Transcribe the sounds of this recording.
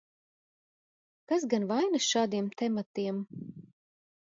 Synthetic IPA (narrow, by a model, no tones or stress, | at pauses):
kasɡanvajnɨsʃaːd̪iɛmt̪ɛmat̪iɛm